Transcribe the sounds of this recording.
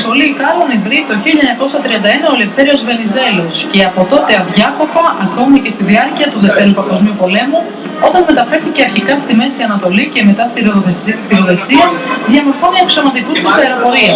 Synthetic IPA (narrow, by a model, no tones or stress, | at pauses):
so̞liːkɐloniðɾit̪o̞çiʎɐɲɐkosɐt̪ɾiɐnd̪ɐe̞nɐo̞lefθe̞ɾio̞zve̞nize̞lo̞sce̞ɐpo̞t̪o̞t̪e̞ɐvʝɐko̞pɐʔɐko̞mice̞st̪iðiɐɾciɐt̪uðe̞ft̪eɾupɐŋɡo̞zmiupo̞le̞mu | o̞t̪ɐnme̞t̪ɐfe̞ɾθice̞ɐɾçikɐst̪ime̞siɐnɐt̪o̞lice̞me̞t̪ɐsst̪iɾoðe̞siɐðʝɐmo̞ɾfoniekso̞mɐt̪ikust̪isɐeɾopo̞ɾiɐ